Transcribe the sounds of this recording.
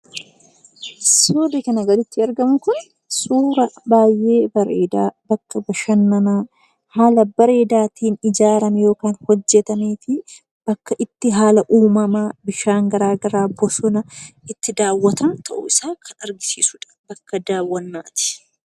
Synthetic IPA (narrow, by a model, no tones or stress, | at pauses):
soːd̪ɛkɐnɐɡɐd̪ɪt̪ːɪɐɾɡɐmʊkʊn | suːɾɐbaːjʔe̞ːbɐɾeːd̪aːbɐkːɐbɐʃɐnːɐmaː | haːlɐbɐɾe̞ːd̪aːt̪iːnɪd͡ʒaːɾɐmɛjo̞ːkaːnhɔd͡ʒːɛt̪ɐniːfɪ | b̥ɐkːɐʔɪt̪ːɪɦaːlɐʔuːmɐmaːbɪʃaːŋɡɐɾaːɡɐɾaːbɔsɔnɐɪt̪ːɪd̪aːwːɐt̪ɐnt̪ʰɐʔʊ̰ɪsaːkʰɐnɐɾɡɪsiːsʊᶑɐ̥bɐkːɐd̪aːwːɐnːaːt̪ɪ̥